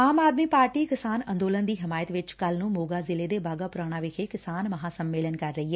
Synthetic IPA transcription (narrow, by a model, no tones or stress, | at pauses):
aːmaːd̪miːpaːɾʈiːkɪsaːnənd̪oːlənd̪iːɦɪmaːjət̪ʋɪt͡ʃkəlnũːmoːɡaːzɪleːd̪eːbaːɡaːpʊɾaːɽ̃ãːʋɪkʰeːkɪsaːnməɦãːsəmːeːlənkəɾːəɦiɦɛ